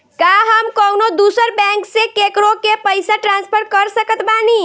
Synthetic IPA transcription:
kaɦəmkɔʊnod̪uːsəɾbɛ̃ŋksekekɾokepəɪsaʈɾãnspʰəɾkəɾsəkət̪baːni

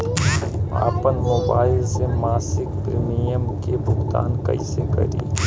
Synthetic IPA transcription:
a̰ːpənmoːbaːɪlsemaːsɪkpɾiːmijəmkebʱʊɡt̪a̰ːnkɐ̰isekɐ̰ɾḭː

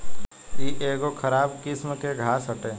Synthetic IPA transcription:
kiʔeːɡokʰəɾaːbkɪsmkeɡʱaːsəʈeː

